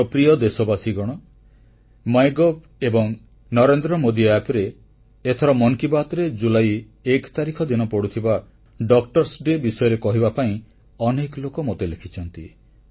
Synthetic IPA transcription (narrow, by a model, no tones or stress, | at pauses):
ɾɔpɾijɔd̪esɔbasiɡɔɽ̃ɔ | majɡɔb̚ | ebɔŋ | nɔɾend̪ɾɔmod̪iɛpɾeː | t̪ʰɔɾɔmɔŋkibat̪ɔɾed͡ʒulaj | ekt̪aɾikʰɔd̪inɔpɔɽut̪ʰiba | ɖɔkʈɔɾsɖebisɔjɔɾekɔɦibapaĩ | ɔneklokɔmot̪elekʰit͡ʃʰɔnt̪i